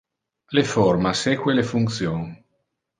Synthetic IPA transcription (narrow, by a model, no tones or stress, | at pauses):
leformaseːkwelefuŋkt̪sjoŋ